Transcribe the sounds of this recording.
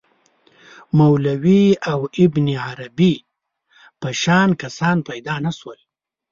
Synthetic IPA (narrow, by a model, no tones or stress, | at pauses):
mawlawiawɪbniʕaɾabi | pəʃɑːnkasɑːnpajd̪ɑːnaswəl